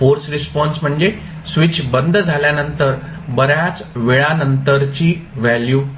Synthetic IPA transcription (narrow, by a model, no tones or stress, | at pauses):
foɾsɾispɔnsm̤əɳd͡ze | sʋit͡ɕʰbənd̪ʱd͡zʱaljanənt̪əɾ | bəɾjat͡sʋeɭanənt̪əɾt͡ɕiːʋæljuː